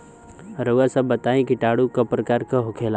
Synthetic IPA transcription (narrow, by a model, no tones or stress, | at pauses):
ɾoasabːət̪aːẽkiʈaːɽukapɾəkaːɾkaɦokʰeːlaː